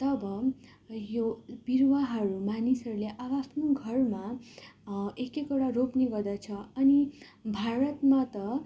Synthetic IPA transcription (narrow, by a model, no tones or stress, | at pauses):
t̪ʌbʌ | job̥irwaɦʌɾumanisʌɾuleʔabʌapʰnoɡʱʌrma | ekekoɽaropniɡʌrd̪ʌt͡sʰʌʌni | bʱaɾʌt̪mat̪ʌ